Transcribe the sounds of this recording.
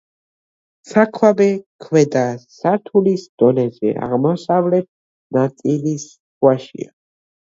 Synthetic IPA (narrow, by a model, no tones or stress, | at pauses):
sakʰwabɛkʰwɛd̪asaɾt̪ʰulisd̪̥ɔnɛzɛ̰a̰ʁmɔsavlɛt̪̚ | nat̪sʼilis | waʃḭa̰